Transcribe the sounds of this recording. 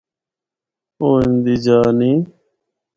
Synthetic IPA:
oːind̪iːd͡ʒaːniː

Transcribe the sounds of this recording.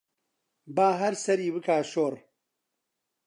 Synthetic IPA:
baːɦɐɾsɐɾiːβɨkaːʃoːr

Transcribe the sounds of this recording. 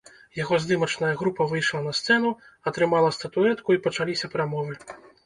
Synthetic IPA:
jaɣɔzd̪ɨmɐt͡ʂnɐjɐɣɾupɐvɨjʂlˠɐnɐst̪sɛn̪u | ɐt̪ɾɨmalˠɐst̪ɐt̪uɛt̪kuipɐt͡ʂalʲisʲɐpɾamɔvɨ

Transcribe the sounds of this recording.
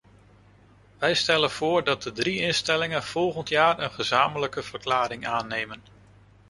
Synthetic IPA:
ʋɛjstɛlənv̥ʊːɹdɑt̚dədriɪnstɛlɪŋənv̥ɔlˠχəntjaːrənχəzaːmələkəv̥ərklaːɾɪŋaːnːejmən

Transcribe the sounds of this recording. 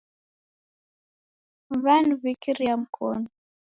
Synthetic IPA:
βanuβikiɾiam̩kʰɔ̰nu

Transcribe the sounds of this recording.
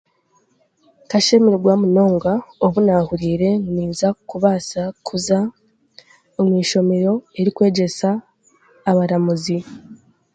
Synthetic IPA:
kaʃemiɾiɡwaːmuno̞ːŋɡaoβunahuɾiːɾe̞ŋniːzakuβasakʰuza | omwiːʃo̞me̞ɾo̞e̞ɾikwe̞ːɟe̞saː | βaɾamuzi

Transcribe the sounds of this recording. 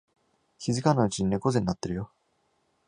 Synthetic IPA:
çizɨkanaɯ̟t͡ɕiɲ̟ine̞ko̞ze̞nːat̪ːe̞ɾɯ̟jo̞

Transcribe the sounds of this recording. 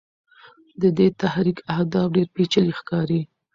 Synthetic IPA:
d̪əd̪et̪ahɾikahd̪ɑfɖeɾpet͡ʃalixkɑɾi

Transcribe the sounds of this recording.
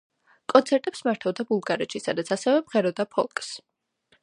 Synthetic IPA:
kʼɔnt̪sʰɛɾt̪ʼɛpsmaɾt̪ʰavd̪abulˠɡaɾɛt̪ʃisad̪at̪sʰasɛvɛmʁɛɾɔd̪apʰɔ̰lˠkʼs

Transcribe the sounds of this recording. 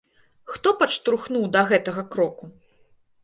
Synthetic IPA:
xt̪ɔpɐt͡ʂt̪ɾuxnuwd̪ɐɣɛt̪ɐɣɐkɾɔku

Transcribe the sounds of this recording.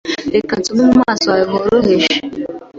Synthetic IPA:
ekatʊmʊm̩masaɪɦoɾoɦeʃi

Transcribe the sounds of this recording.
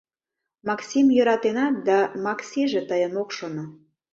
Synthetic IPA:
mɑksʲimjøɾɑt̪enɑt̪̚d̪ɑmɑksʲiʒĕt̪əjənokʃono

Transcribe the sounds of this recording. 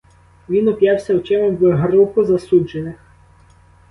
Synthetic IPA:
ʋʲinʊpjɑwsʲɐwt͡ʃɛmʊʋɪɦɾukʊzɐsud͡ʒenɪx

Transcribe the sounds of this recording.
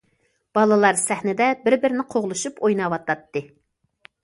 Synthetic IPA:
b̥ɑlˠɨlˠɑɾsɛhnɪd̪ɛbɪɾbɪɾɪnɪqʰoʁlˠɨʃupojnɑwɑt̪ɑt̪ːɨ

